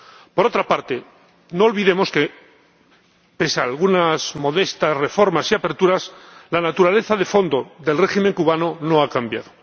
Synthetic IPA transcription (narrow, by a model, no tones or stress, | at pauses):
po̞ɾo̞t̪ɾapaɾt̪e̞ | no̞ːlβiðe̞mo̞ske̞ | pe̞saːlɣunazmo̞ðe̞st̪asre̞fo̞ɾmasiape̞ɾt̪uɾaslanat̪uɾale̞θaðe̞fo̞nd̪o̞ðe̞lre̞ximeŋkuβanono̞akambja̰ðo